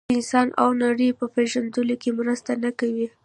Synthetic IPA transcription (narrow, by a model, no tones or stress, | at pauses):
ɪnsɑna̰wnaɽəjpəpeʒand̪əlokemɾəst̪anakawi